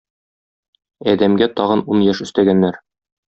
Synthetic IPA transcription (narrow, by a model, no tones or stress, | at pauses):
æd̪æmɡæt̪ɒʁɤ̆nunjæʃɵ̆st̪æɡænːæɾ